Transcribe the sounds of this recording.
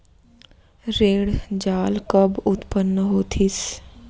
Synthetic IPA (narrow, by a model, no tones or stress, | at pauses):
ɾeːɽd͡ʒaːlkəbʊt̪pənːəɦoːt̪ʰis